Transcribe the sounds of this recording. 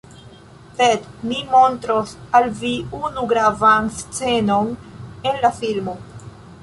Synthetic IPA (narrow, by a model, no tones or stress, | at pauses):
sed̪nimo̞ntɾosalviunuɡɾavanst͡se̞no̞nenlafilmo